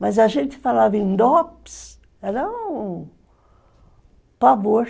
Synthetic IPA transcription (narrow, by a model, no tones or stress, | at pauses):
mɐzɐʒẽnt̪ɪ̥falavẽnd̪ɔps | ɛɾɐũ | pavoɾ